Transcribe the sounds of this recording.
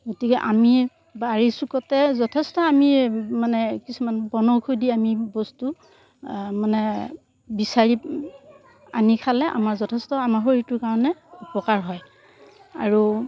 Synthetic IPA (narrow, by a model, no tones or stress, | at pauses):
ɡotikɛʔami | baɹisukɔtɛzɔtʰɛstɔamimanɛkisumanbɔnɔwkʰojdiamibɔstu | manɛ | bisaɹi | anikʰalɛʔa̰maɹzɔtʰɛstɔamaɦoɹitʊɹkaɹɔnɛupɔkaɹɦɔj | a̰ɹu